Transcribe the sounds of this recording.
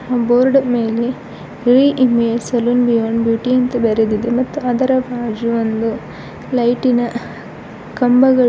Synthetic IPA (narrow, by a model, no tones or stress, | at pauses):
boːɾɖmeːle | ɾiːʔimeesɐlunbijoːnbjuːʈiɐnt̪ɐbeɾed̪id̪emɐt̪ːuɐd̪ɐɾɐbʱaːd͡ʒuʋond̪u | lɐjʈinɐ | kɐmbɐɡɐ